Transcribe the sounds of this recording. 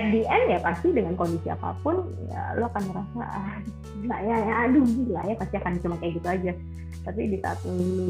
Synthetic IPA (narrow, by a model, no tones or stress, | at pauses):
ɛf̚diʔɛnjapast̪idəŋankondisia̰pa̰pʊnja̰loakanməɾasa̰ | lajajːdubila̰japast̪iakant͡ʃumankajaɡit̪uad͡ʒa | t̪apidisa̰a̰t̪ini